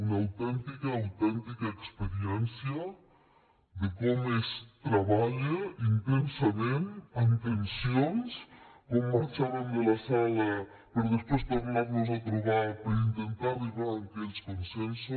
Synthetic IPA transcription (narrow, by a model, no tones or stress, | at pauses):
unaawt̪ɛnt̪ikaːwt̪ɛnt̪ikaekspeɾiɛnsja | d̪ekomest̪ɾaβaʎeint̪ensamẽnant̪ensjonskomːaɾt͡ʃaɾand̪elasala | poɾðespwest̪eɾminaɾnos̬at̪ɾeɣapɾaint̪ent̪aβiβaɾaŋkelskonsenso